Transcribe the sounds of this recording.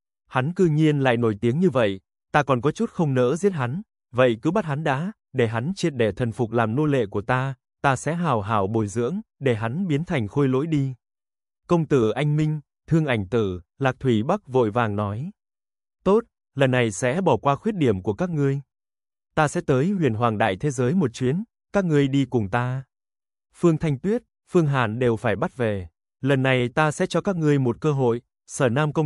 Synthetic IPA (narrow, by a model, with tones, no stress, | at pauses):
ha˨˦nkɨ˧ŋi˧ənla̰ː˧˨jno˧˩jt̪i˨˦əŋɲɨ˧və̰˧˨j | t̪aː˧kɔ˨˩nkɔ˨˦t͡ɕu˦˥t̚xə˧wŋ͡mnə̰ː˧˥zi˦˥ət̚ha˨˦n | və̰˧˨jkɨ˨˦ɓa˦˥t̚ha˨˦nɗa̰ː˧˥ | ɗe˧˩ɦa˨˦nt͡ɕi˧t̚ɗe˧˩t̪ʰə˨˩nfʊ˨˩k͡p̚laː˨˩mno˧lḛ˧˨ku˧˩ət̪aː˧ | t̪aː˧sɛ̰˧˥ɦaː˧˩wɦaː˧˩wɓo˨˩jzɨ̰˧˥əŋɗe˧˩ɦa˨˦nɓi˨˦ənt̪ʰa˨˩ŋ̟xo˧jlo̰˧˥jɗi˧ | kə˧wŋ͡mt̪ɨ˧˩ʔa˧jŋ̟mï˧ŋ̟ | t̪ʰɨ˧əŋʔa˧˩jŋ̟t̪ɨ˧˩laː˨˩k̚t̪ʰwi˧˩ɓa˦˥k̚vo̰˧˨jvaː˨˩ŋnɔ˨˦j | t̪o˦˥t̚ | lə˨˩nːa˨˩jsɛ̰˧˥ɓɔ˧˩kwaː˧xwi˦˥ət̚ɗi˧˩əmku˧˩əkaː˦˥k̚ŋɨ˧əj | t̪aː˧sɛ̰˧˥t̪əː˨˦jhwi˧˩ənɦwaː˨˩ŋɗa̰ː˧˨jt̪ʰe˨˦zəː˨˦jmo˨˩t̚t͡ɕwi˨˦ən | kaː˦˥k̚ŋɨ˧əjɗi˧kʊ˨˩ŋ͡mt̪aː˧ | fɨ˧əŋt̪ʰa˧jŋ̟t̪wi˦˥ət̚ | fɨ˧əŋɦa̰ː˧˩nɗe˨˩wfaː˧˩jɓa˦˥t̚ve˨˩ | lə˨˩nːa˨˩jt̪aː˧sɛ̰˧˥t͡ɕɔ˧kaː˦˥k̚ŋɨ˧əjmo˨˩t̚kəː˧ɦo̰˧˨j | səː˧˩naː˧mkə˧w